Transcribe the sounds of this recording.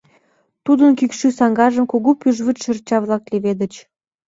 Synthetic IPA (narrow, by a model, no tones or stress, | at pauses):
t̪ud̪ənkykʃysɑŋɡɑʒə̆mkoɣopyʒβət̪ʃərt͡ɕɑβlɑkleβed̪ə̆t͡ɕ